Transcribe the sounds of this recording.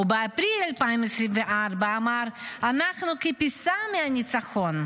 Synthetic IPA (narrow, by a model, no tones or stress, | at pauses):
ubeapɾilalpaimesɾimveʔaʁbaːmaɾanaχnukepisameanit͡saχo̞n